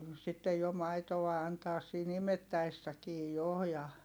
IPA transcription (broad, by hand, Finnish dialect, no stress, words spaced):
sitːej jo mɑitow̆ɑ ɑntɑːs siːn imetːæesːækiː jo jɑ